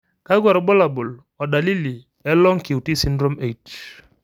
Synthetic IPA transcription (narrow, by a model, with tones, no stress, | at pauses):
ka˦ɡwa˨ɾɔ˨bɔ˦la˨bɔ˨l | ɔ˨da˨li˦li˨ | ɛ˦lɔ˦ŋki˨u˨ti˦si˦ndɾɔ˦me˨t